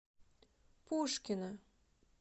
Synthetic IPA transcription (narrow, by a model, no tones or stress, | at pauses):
pʰoʃkʲɪna